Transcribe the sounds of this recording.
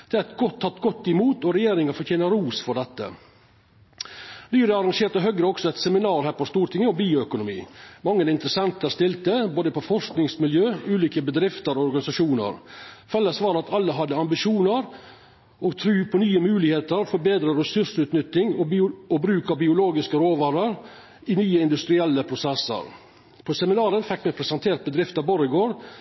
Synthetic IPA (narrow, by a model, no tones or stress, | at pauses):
d̪̥ɛæɾɛt̪ɡɔt̪ʰːɑt̪ːɡɔt̪ːɪmuːt̪ɔɾɛjeːɾɪŋəfɔɾt̪ʰjeːnəɾuːsfɔɖɛt̪ːə̰ | nyːɾəɑɾɑŋʂeːɾʈ̪əɦœɡɾəɔksɔɛt̪sɛmɪnɑːɾhæːɾpɔst̪uːɾʈ̪ʰɪŋːəɔbiːʊœkʊnʊmḭːmɑŋːənɪnt̪əɾəsɛnt̪əɾst̪ɪlt̪əboːd̪əpɔfɔʂknɪŋsmɪljøːʉːliːkəbəd̪ɾɪft̪əɾɔɔɾɡɑnɪsɑʂuːnə̰ɾfɛlːəsʋɑːɾɑt̪ʰɑlːəɦɑd̪ːəɑmbɪʃuːnəɾ | ɔɡt̪ʰɾʉːpʰɔnyːəmʉːlɪheːt̪əɾfɔɾbeːd̪ɾəɾɛsʉʂʉːt̪nʏt̪ːɪŋɔɔbɾʉːkɑbɪʊloːɡɪskəɾoːʋæːɾəɾ | ɪnyːəɪnd̪ʉst̪ɾɪɛlːəpʰɾʊsɛsːə̰ɾ | pʰɔsɛmɪnɑːɾənfɪkːmɛpʰɾɛsɛnt̪ʰeːɾt̪̚bəd̪ɾɪft̪əɾboːɾɪɡoːɾ